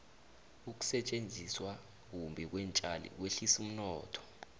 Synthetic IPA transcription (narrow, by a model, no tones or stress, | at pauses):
uk̬u̥sɛt͡ʃʼend͡zʱiswa | k̬umbʱɛk̬wɛnt͡ʃʼalḭk̬weɬisum̩nɔːtʰɔ̥